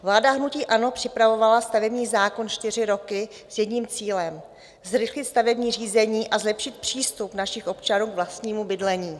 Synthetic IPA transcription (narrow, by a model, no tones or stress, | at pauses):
vlaːdaɦnuciːʔano̞pr̝̥ɪpɾavo̞valast̪avɛbɲiːzaːko̞nt͡ʃt̪ɪr̝ɪɾo̞kɪ | sjɛdɲiːmt͡siːlɛm | zɾɪxlɪt̪st̪avɛbɲiːriːzɛɲiːʔazlɛpʃɪt̪̚pr̝̥iːst̪upnaʃɪxʔo̞pt͡ʃanuːɡvlast̪ɲiːmubɪdlɛɲiː